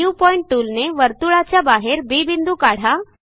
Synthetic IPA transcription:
uwpɔiɳʈ̚ʈulneʋəɾt̪uɭat͡ɕjabaɦeɾbibind̪ukaɽ̤a

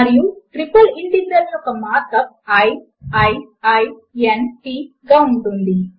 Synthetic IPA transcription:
ɐɾijuʈɾipɐliɳʈinːɐɾjɔkɐmaːt̪ɐk̚ | ɐj | ɐjɐj | enʈiː | ɡaːuɳʈund̪i

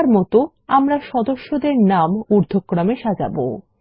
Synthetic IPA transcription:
ɾmɔt̪o | amɾaʃɔd̪oʃːod̪eɾnamuɾd̪ʱokːɾameʃad͡ʑa̰bo̰

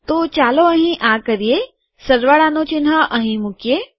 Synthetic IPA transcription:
t̪ot͡ʃaːloəɦĩʔakəɾije | səɾʋaɽanõt͡ʃinɦəʔɐɦĩmukje

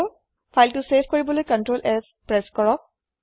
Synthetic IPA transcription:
o | pʰajlʈusepʰkɔɹibɔlojkənʈɹolʔɛz | pɹɛskɔɹɔk̚

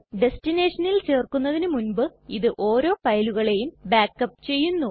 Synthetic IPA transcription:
ɖe̞stine̞ːʂɐnilt͡ɕe̞ːrkunːɐðinɨmunbɨiðɨʔo̞ːɾo̞ːpɐjɐluɣɐɭe̞jumbaːkːɐpːt͡ɕe̞jːunːu

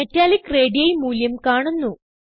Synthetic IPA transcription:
etːaːlikːreːɖijɐjmuːljɐmkaːɳunːu

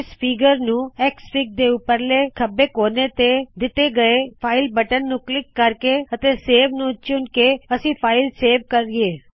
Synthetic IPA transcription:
ɪspʰɪːɡəɾnũːɛkspɪk̚d̪eːʊpːəɾleːkʰəbeːkoːneːt̪ed̪ɪt̪eːɡəepʰaːɪlbəʈənːũːklɪkːəɾkeət̪eːseːʋnũːt͡ʃʊnkeəsĩːpʰaːɪlseːʋkəɾɪeː

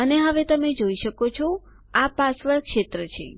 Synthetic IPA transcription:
əneɦəʋet̪əmed͡ʒoiʃəkot͡ʃʰo | apasʋəɭkʃet̪ɾət͡ʃʰḛ

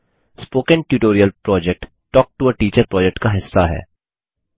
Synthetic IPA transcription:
spoːkə̃nʈjuːʈoːɾijəlpɾɔːd͡ʒɛk̚ʈ | ʈːɔːk̚ʈuəʈiːt͡ʃəɾpɾɔːd͡ʒɛk̚ʈkaɦɪsːaɦɛ̰ː

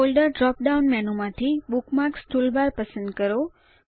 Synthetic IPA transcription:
olɖəɾɖɾɔp̚ɖaunmɛnomãt̪ʰibukmaɾksʈulbaɾpəsə̃nd̪kəɾo

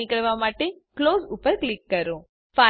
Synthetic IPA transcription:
ikɐɾʋamaːʈe | kloːzupːəɾklikːɐɾo | pa

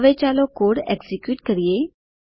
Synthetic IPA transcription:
ʋet͡ɕalɔkoɽḛɡsikjuːʈkəɾije

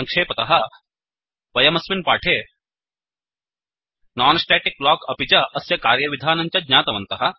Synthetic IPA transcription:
ɐŋkʂeːpɐt̪ɐɦɐ | ʋɐjɐmɐsminpaːʈʰeː | naːnɐsʈeːʈik̚blaːkɐpit͡ʃɐʔɐsjɐkaːɾjɐʋid̪ʱaːnɐɲt͡ʃɐd̪ɲaːt̪ɐʋɐnt̪ɐɦɐ

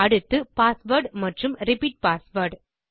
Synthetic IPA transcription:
ɐɽɯt̪ːɯpaːsʋɐɾɖmɐʈrɯmɾɪpiːʈ̚paːsʋɐɾɖ

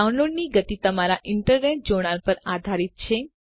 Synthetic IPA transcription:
aunloɖniɡət̪it̪əmaɾaʔɪɳʈəɾneʈ̚d͡ʒoɽ̃aɾpəɾad̪ʱaɾit̪̚t͡ʃʰe

